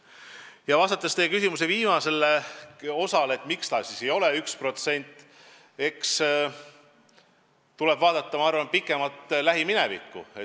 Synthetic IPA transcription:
jɑvɑst̪ɑt̪ːˑest̪ejekysʲimuse̞viːmɑse̞lːeo̞sɑlet̪ˑmikslɑːsʲise̞jo̞le̞ykspro̞t̪se̞nʲt̪ːˑ | e̞ks | t̪ule̞b̥vɑːd̪̥ɑt̪ːˑɑmɑɑrvɑnpikːˑe̞mɑt̪ːlæɦimine̞vḭkːṵe

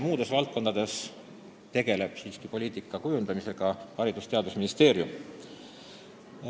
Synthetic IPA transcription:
muːd̪̥e̞svɑlt̪̚ko̞nd̪̥ɑd̪e̞s | t̪e̞ɡ̥e̞le̞b̥siːskipo̞lʲiːt̪ˑikːˑɑkujund̪̥ɑmise̞ɡ̥ɑhɑɾid̪̥ust̪e̞ɑd̪usminist̪e̞ːɾjum

